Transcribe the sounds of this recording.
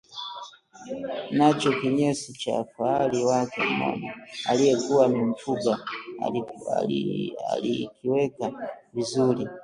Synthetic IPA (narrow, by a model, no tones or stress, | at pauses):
nat͡ʃɔkiɲɛsit͡ʃa̰faaliwakɛ̰m̩mɔ̰mɔa̰lijɛkuwamim̩fuɡa | a̰lḭkʰiwɛkavizuli